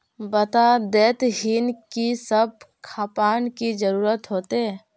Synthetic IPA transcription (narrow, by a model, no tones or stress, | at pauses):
bət̪ad̪eːt̪ɦiːnkisəb̚kʰaːpaːnkid͡ʒəɾuːɾət̪ɦoːt̪e